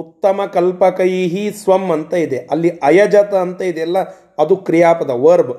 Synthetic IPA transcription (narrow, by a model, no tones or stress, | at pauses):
ut̪ːɐmɐkɐlpɐkɐjiɦisʋɐmːɐnt̪ɐid̪eɐlːiɐjɐd͡ʒɐt̪ɐːnt̪ɐid̪eɐlːɐ | ɐd̪ukɾijaːpɐd̪ɐʋɐɾb